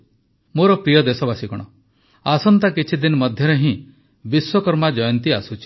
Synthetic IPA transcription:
moɾɔpɾijɔd̪esɔbasikɔɽ̃ɔ | asɔnt̪akit͡ʃʰid̪inɔmɔd̪ʱjɔɾeɦĩ | biswɔkɔɾmad͡ʒɔjɔnt̪iasut͡ʃʰi̥

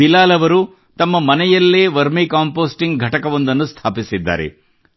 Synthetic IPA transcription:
ilaːlɐʋɐɾu | t̪ɐmːɐmɐnɛjɐlːeːʋɐɾmikaːmpoːsʈiŋɡɡʱɐʈɐkɐʋo̞nd̪ɐnːust̪ʰaːpisid̪ːa̰ːɾḛ

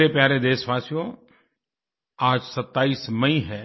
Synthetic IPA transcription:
epjaːɾed̪eːʃʋaːsijõ | aːd͡ʒsɐt̪ːaːiːsmɐĩɦɛ̃ː

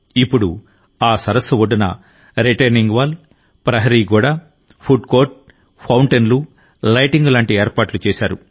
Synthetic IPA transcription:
ipːuɽu | aːsɐɾɐsːʋoɖɐnɐ̰ | ɾiʈɐniŋɡʋaːl | pɾɐɦɐɾiːɡuːɽa | pʰuɖkoːɾʈ̚ | pʰɐwɳʈenlu | lɐjʈiŋɡlaːɳʈieːɾpaːʈlut͡ʃɛːʃaːɾu

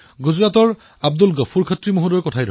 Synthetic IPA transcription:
ɡuzɹatɔɹ | ab̚dulɡɔpʰuɹkʰatɹimoɦudɔɹjkɔtʰajdɔ

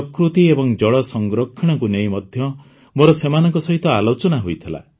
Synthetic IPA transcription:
ɔkɾut̪iebɔŋd͡ʒɔɭɔsɔŋɡɾɔkʰːiɽ̃ɔkunejmɔd̪ʱjɔ | moɾɔsemanɔŋkɔsɔɦit̪ɔalot͡ʃɔnaɦujt̪ʰila̰

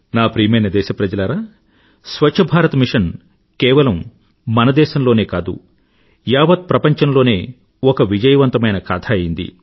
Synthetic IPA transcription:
naːpɾiːmeːnɐd̪ɛːʃɐpɾɐd͡ʒɐlɐɾaː | sʋɐt͡ʃːt͡ʃʰɐbʱaːɾɐt̪ɐmiʂɐn | kɛːʋɐlɐmː | ɐnɐd̪ɛːʃɐmlo̞ːne̞ːkaːd̪ṵ | jaːʋɐt̪̚pɾɐpɐɲt͡ʃɐmlo̞ːne̞ː | ɔkɐʋid͡ʒɐjɐʋɐnt̪ɐmɐjnɐkaːt̪ʰaːɐjind̪ḭ

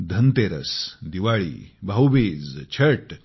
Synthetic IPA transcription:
d̪ʱɐnt̪eɾə̰sd̪iʋaɭḭːbʱawʋeːd͡zt͡ɕʰɐʈ

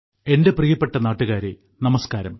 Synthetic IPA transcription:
e̞nde̞prijɐpːe̞ʈːɐnaːʈːuɣaːɾe | nɐmɐskaːɾɐm

